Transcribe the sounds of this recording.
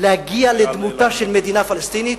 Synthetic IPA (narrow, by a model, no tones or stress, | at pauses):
lehaɡialed̪mut̪aʃelmed̪inafalast̪init̪